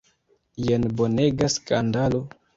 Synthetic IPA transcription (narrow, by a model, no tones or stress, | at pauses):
jenbo̞ne̞ɡaskandalo̞